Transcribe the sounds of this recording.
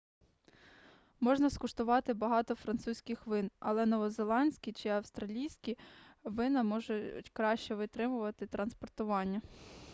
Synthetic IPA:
mɔʒnɐskʊʃt̪ʊʋɑt̪ɪbɐɦɑt̪ɔfɾɐnsusʲkʲɪxʋɪnɐ̰lˠɛnɔʋɔzelˠɑnʲsʲkʲit͡ʃɪɐwst̪ɾɐlʲijsʲkʲiʋɪnɐmɔʒʊtʲkɾɑʃt͡ʃɛʋɪt̪ɾɪmʊʋɐt̪ɪt̪ɾɐnspɔrt̪ʊʋɑnʲːɐ

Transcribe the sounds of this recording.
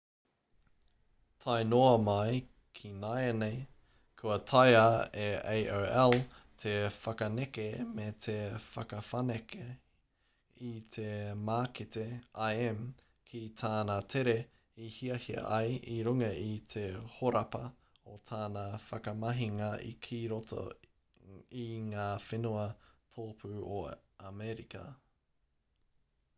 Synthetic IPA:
tʰajnoɐmɐj | kʰinajenej | kʰuɐtʰajaeejʔoɛl | t̪ʰefɐkɐnekemet̪ʰefɐkɐfɐneke | it̪ʰemaːkiteajɛm | kʰit̪ʰaːnatʰeɾe | ihiɐhiɐ̰ʔɐjʔiɾuŋɐʔit̪ʰehoɾɐpɐ | ot̪ʰaːnafɐkɐmɐɦiŋɐʔḭkʰiɾoto̰ | iŋaːfenuɐtʰoːpʰʉoamɛɾikɐ̰

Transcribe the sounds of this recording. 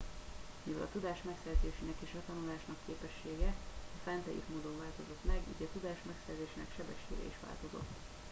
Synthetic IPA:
mivɛlʔɒ̰t̪ud̪aːʃmɛksɛrzeːʃinɛkeːʃɒt̪ɒnulaːʃnɒkʰːeːpɛʃːeːɡɛɒfɛnt̪ɛjḭːt̪moːd̪oɱvaːlt̪o̞zo̞t̪mɛɡḭːɟɒt̪ud̪aːʃmɛksɛrzeːʃiːnɛ̰kʃɛbɛʃːḛːɡɛ̰iʃʋa̰ːlt̪o̞zo̞̰t̪ː

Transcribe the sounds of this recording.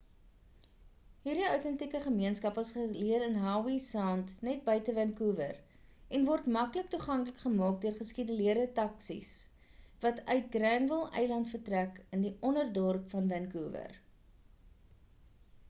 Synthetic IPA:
ɦiːrdiœwtɛntikəχəmiənskɐpəsχəliəɾənɦɑːwisɑːntnɛt̚bəjtəvɛnkuːvər | ʔɛnvɔrtmɐklək̚tuχɐŋkləkχəmɑːk̚duərχəskidəliərdətɐksḭs | vɐtœɥt̚ɡrɛnvəlˠɛ̰jlɐntfərtrækəndiʔɔnərdɔrpfɐnvɛnkuːvə̰r

